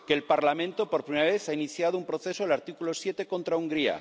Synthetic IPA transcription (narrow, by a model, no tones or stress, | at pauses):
keːlpaɾlamẽnt̪opoɾpɾimeaβeθainiθjað̞oumpɾoθe̞soelaɾt̪ikulosje̞t̪e̞ko̞nt̪ɾauŋɡɾia̰